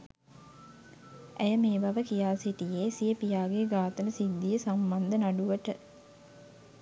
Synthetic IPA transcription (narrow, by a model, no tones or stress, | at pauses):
ʔæjəmeːbaʋəkijaːsiʈijeːsijəpijaːɡeɡaːt̪ənəsid̪ːijəsamband̪ənaɖuʋəʈə